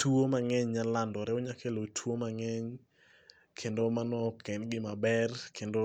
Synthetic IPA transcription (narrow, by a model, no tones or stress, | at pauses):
tuwomaŋɛɲɲalandɔɾɛoɲakelotʰwomaŋɛɲ | kʰendomanɔkɛnɡɪmabɛrkʰendo